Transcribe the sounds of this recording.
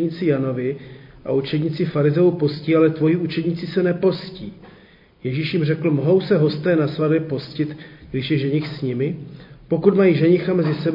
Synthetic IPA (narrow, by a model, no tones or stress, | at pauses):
ɲiːt͡sɪjano̞vɪʔa̰ut͡ʃɛd̪ɲit͡sɪfaɾɪzɛupo̞sciːalɛt̪vo̞jiut͡ʃɛd̪ɲɪt͡sɪsɛnɛpo̞sciː | jɛʒiʃjɪmrɛkl̩moɦo̞wsɛɦo̞st̪ɛːnasvadbjɛpo̞scɪt̪ɡdɪʃjɛʒɛɲɪxsɲɪmɪpo̞kut̪majiːʒɛɲɪxamɛzɪsɛb